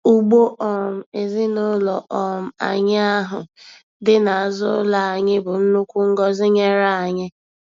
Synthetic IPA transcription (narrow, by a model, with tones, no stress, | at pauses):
u˦ɡ͡bo˦ʔɔ˨m̩˨e˨zi˦nʊ˦lɔ˨ʔɔ˨m̩˨a̰˨ɲɪ˦a˦ɦʊ˨ | dɪ˦na˨a˨zʊ̰˦la˨a˨ɲɪ˦bʊ˨n̩˦nu˦kʷu˦ŋ̩˦ɡɔ˦zɪ˦ɲe˦ɾa˦˨a˨ɲɪ˦